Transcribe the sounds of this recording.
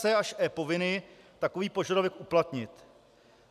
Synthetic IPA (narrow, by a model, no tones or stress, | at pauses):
ɛaʃʔɛːpo̞vɪnɪ | t̪akoviːpo̞ʒadovɛkʔuplat̪ɲɪt̪